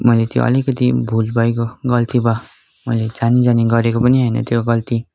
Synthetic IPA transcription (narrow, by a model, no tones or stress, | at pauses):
mʌjlet̪jo̰ʔʌ̰likʌt̪ibʱulbʱʌekoɡʌlt̪ibʌ | mʌjlet͡sanid͡zaniɡʌɾekopʌniɦʌjnʌ̰t̪joɡʌlt̪i